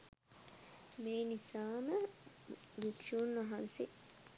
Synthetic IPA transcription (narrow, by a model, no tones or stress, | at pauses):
meːnisaːmə | ʋikʂuːnʋɐɦɐnsi